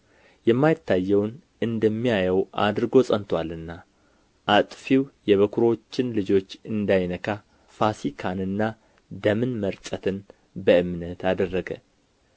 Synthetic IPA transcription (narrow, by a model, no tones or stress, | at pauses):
jɛmːajɪt̪ːajːɛwn | ɨnd̪əmːijajɛwʔa̰d̪ɨɾɨɡo̞sʼənt̪ʰwalɨnːa | ʔat̪ʼfiwjɛβəkʰuɾo̞t͡ʃːɪnlɨd͡ʒo̞t͡ʃːɨnd̪ajnəkʰa | fasikʰanɨnːa | d̪əmɨnməɾt̪ʼət̪ʰɨn | bəɨmnət̪ad̪ərːəɡə